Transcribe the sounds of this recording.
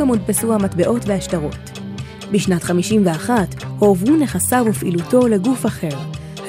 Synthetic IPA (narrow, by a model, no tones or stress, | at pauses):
amudpesuhamatbe̞ʔo̞tveaʃtaʁo̞̰t | biʃnatχamiʃimveaχathoːvune̞χasavufḭluto̞le̞ɡufaχe̞ʁ | h